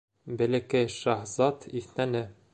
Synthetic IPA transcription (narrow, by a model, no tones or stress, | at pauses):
bɘ̆lɘ̆kɘjʃɑhzɑt̪ʰiθnænɘ